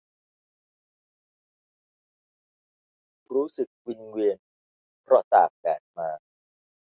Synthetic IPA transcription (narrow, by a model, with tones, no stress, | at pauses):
ɾuː˦˥sɯ˨˩k̚wi˧nwi˧ən | pʰɾɔ˦˥t̪a̰ː˨˩k̚bɛː˨˩t̚maː˧